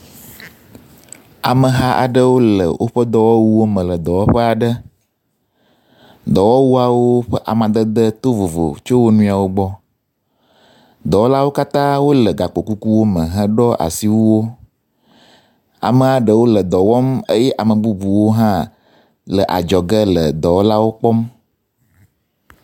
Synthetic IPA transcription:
a˨mə˨ɦa˦ʔa̰˨ɖə˦wo˦lə̰˨wʔo˦ɸə˦d̪ɔ˨wɔ˦wu˦wo˦mə̃˨lə˨d̪ɔ˨wɔ˦ɸə˦a˨ɖə˦ | d̪ɔ˨wɔ˦wu˦a˨wo˦ɸə˦ʔa̰˨mã˨d̪ə˦d̪ə˦t̪o˦vo˨vo̰˨t͡ʃo˦wo˦nũ˦a˨wo˦ɡ͡bɔ˦ | d̪ɔ˨wɔ˦la˦wo˦ka˦t̪ã˦wo˦lə˨ɡa˨k͡po˨ku˦ku˦wo˦mə̃˨ɦə̃˦ɖɔ˦ʔa̰˨si˨wu˦wo˦ | a̰˨mə˨a˨ɖə˨wo˦lə˨d̪ɔ˨wɔ˦mə˦jɛ˦ʔa˨mə̃˨bu˦bu˨wo˦ɦã˦ | lə˨ʔa̰˨d͡ʒɔ˨ɡə˦lə˨d̪ɔ˨wɔ˦la˦wo˦k͡pɔ˦m

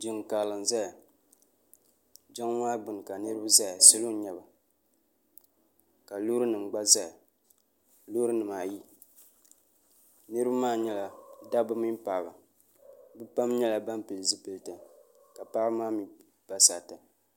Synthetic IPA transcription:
d͡ʒɪ˨ŋ˨ka˨lɨ˨nza˦ja˨ | d͡ʒa˦ŋwaː˦ɡ͡bɨ˨n˨ka˨nɨ˦ɾɨ˦bɨ˦za˦ja˨sʊ˦lo˦ɲɛ˦ba˨ | ka˨lo˦ɾɨ˦nɨ˨m˨ɡ͡ba˦za˦ja˨ | lo˦ɾɨ˦nɨ˨maː˨ji˦ | nɨ˦ɾɨ˦ba˦maː˦ɲɛ˦la˨da˦bɨ˦mi˦m˦pa˨ba˨ | bɨ˦pa˦mɲɛ˦la˨ba˦mpɨ˨lzɨ˦pɨ˨ltɨ˨ | ka˨pa˦maː˦mi˨ | pa˦sa˨ta˨

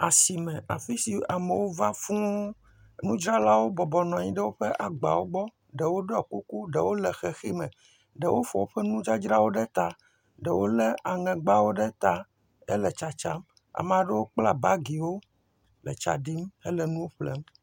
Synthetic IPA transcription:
a˨si˨mɛ̃˨ʔa̰˨fi˦si˨a˨me˨wo˦va˦fũ˦ | nũ˦d͡ʒɾa˦la˦wo˦bɔ˨bɔ˨nɔ̃˨ɲĩ˦ɖɛ˦wo˦ɸe˦ʔa˨ɡ͡ba̰˨wo˦ɡ͡bɔ˦ | ɖe˨wo˦ɖɔ˦˨ku˦ku˦ɖe˨wo˦lɛ˨xe˨xi˦mɛ̃˨ | ɖe˨wʔo˦fɔ˨wo˦ɸɛ˦nũ˦d͡ʒa˦d͡ʒɾa˦wo˦ɖɛ˦t̪a˨ | ɖɛ˨wo˦le˦a˨ŋɛ̃˨ɡ͡ba˦wo˦ɖɛ˦t̪a˦ | e˦lɛ˨t͡ʃa˨t͡ʃa˦m | a̰˨me˨a˨ɖe˦wo˦k͡pla˦ba˦ɡi˨wo˦ | lɛ̰˨t͡ʃa̰˨ɖi˦me˦lɛ˨nũ˦wo˦ɸlḛ˦m

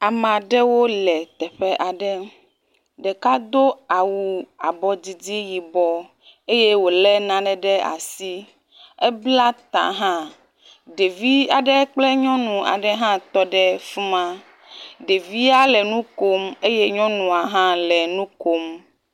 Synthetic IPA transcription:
a˨mã˨ɖɛ˦wo˦lɛ˨t̪ɛ˨ɸɛ˦ʔa˨ɖɛ˦ | ɖɛ˨ka˦d̪o˦a˨wu˨a˨bɔ˨d͡ʑi˨d͡ʑi˦ji˨bɔ˦ | e˦je˦wo˨lɛ˦nã˦ɖɛ˨ɖɛ˦a̰˨si˦ | ɛ˦bla˦t̪ã̰˨ɦã˦ | ɖe˨vi˦a˨ɖɛ˦k͡plɛ˦ɲɔ̃˦nũ˨a̰˨ɖɛ˦ɦã˦t̪ɔ˦ɖɛ˦fu˦mã˦ | ɖe˨vi˦a˦lɛ˨nũ˦ko˦me˦je˦ɲɔ̃˦nũ˨a˨ɦã˦lɛ˨nũ˦ko˦m

